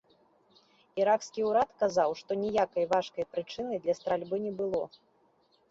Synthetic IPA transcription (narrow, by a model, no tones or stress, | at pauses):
iɾakskʲiuɾat̪kazawʂt̪ɔnʲijakɐjvaʂkɐjpɾɨt͡ʂɨnɨjd̪lʲɐst̪ɾalʲbɨnʲɛbɨlˠɔ